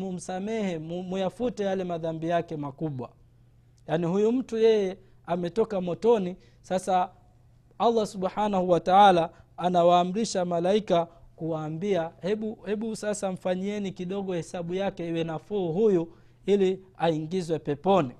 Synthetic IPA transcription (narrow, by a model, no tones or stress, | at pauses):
mum̩samɛhɛmujafutɛjalɛmaðambijakɛmakuɓwa̰ | janihujum̩tujɛjɛ | amɛtɔkamɔtɔni | sasa | alˠˤːasuɓħanahuwataalaːnawaːm̩ɾiʃamalaikakuwaːmbiahɛɓuhɛɓusasam̩faɲiɛnikiɗɔɠɔhɛsaɓujakɛiwɛnafuːɦuju | iliaiŋɡizwɛpɛpɔni